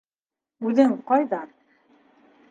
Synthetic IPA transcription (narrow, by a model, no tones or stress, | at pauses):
ʉðɘɴqɑjðɑ